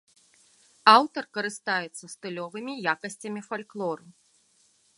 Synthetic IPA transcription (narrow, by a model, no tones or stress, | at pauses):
awt̪ɐrkɐɾɨst̪ajɛt̪sɐst̪ɨlʲɔvɨmʲijakɐsʲt͡sʲɐmʲifalʲklˠɔɾu